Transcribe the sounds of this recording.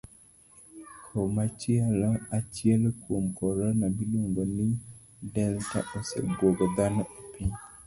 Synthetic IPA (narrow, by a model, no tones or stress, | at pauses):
kʰomat͡ʃialɔat͡ʃɪɛlkwomkɔɾɔnabilwoŋɡonɪ | dɛlta̰ʔosḛbwoɡɔd̪anɔopiɲ